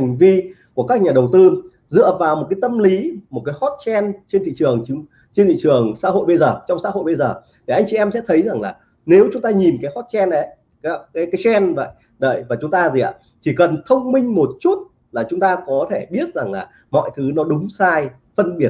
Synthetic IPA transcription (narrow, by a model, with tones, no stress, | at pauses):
ŋ̟vi˧ku˧˩əkaː˦˥k̚ɲaː˨˩ɗə˨˩wt̪ɨ˧ | zɨ̰˧˨əvaː˨˩wmo˨˩t̚kaː˨˦jt̪ə˧mli˨˦mo˨˩t̚kaː˨˦jhɔ˦˥t̚t͡ɕɛ˧nt͡ɕe˧nt̪ʰḭ˧˨t͡ɕɨ˨˩əŋ˧˨˦ | t͡ɕe˧nt̪ʰḭ˧˨t͡ɕɨ˨˩əŋsa̰ː˧˥ho̰˧˨jɓə˧jzəː˨˩t͡ɕɔ˧wŋ͡msa̰ː˧˥ho̰˧˨jɓə˧jzəː˨˩ | t̪ʰi˨˩ʔa˧jŋ̟t͡ɕi˨ʔɛ˧msɛ̰˧˥t̪ʰə˨˦jza˨˩ŋlaː˨˩ | ne˨˦wt͡ɕʊ˨˦ŋ͡mt̪aː˧ɲi˨˩nkaː˨˦jhɔ˦˥t̚t͡ɕɛ˧nɗə˨˦j | ka˦kaː˨˦jkaː˨˦jt͡ɕɛ˧nvə̰˧˨j | ɗə̰ː˧˨jvaː˨˩t͡ɕʊ˨˦ŋ͡mt̪aː˧zi˨˩ʔa̰ː˧˩ | t̪ʰi˨˩kə˨˩nt̪ʰə˧wŋ͡mmï˧ŋ̟mo˨˩t̚t͡ɕu˦˥t̚ | laː˨˩t͡ɕʊ˨˦ŋ͡mt̪aː˧kɔ˨˦t̪ʰe˧˩ɓi˦˥ət̚za˨˩ŋlaː˨˩ | mɔ̰˧˨jt̪ʰɨ˨˦nɔ˨˦ɗʊ˨˦ŋ͡msaː˧j | fə˧nɓi˧˩ət̚